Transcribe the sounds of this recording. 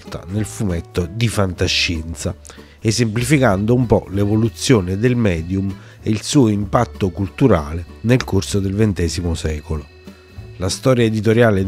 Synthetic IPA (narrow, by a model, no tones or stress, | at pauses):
lt̪a̰nelfumɛt̪ːod̪ifant̪aʃːɛnt̪sa | ezemplifikand̪oumpɔ̰levolut̪sːjoːnɪd̪elmɛːd̪jum | eilsuːimpat̪ːokult̪uɾaːlenelkorsod̪elvent̪ɛːzimosɛːkolo | last̪ɔːɾjaed̪it̪oɾjaːle